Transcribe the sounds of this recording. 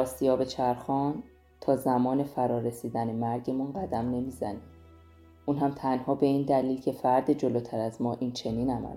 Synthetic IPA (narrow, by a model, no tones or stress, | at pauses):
ɒːsijɒːbe̞t͡ʃʰæɾxɒːn | t̪ʰɒːzæmɒːne̞fæɾɒːɾesiːd̪ænemæɾɟe̞munɢæd̪æmne̞miːzæ̰niːm | ʔuːnɦæmt̪ʰænhɒːbe̞iːnd̪æliːlcʰe̞fæɾd̪ed͡ʒo̞loːt̪ʰæɾæzmɒːʔint͡ʃʰe̞niːnæmæ̰l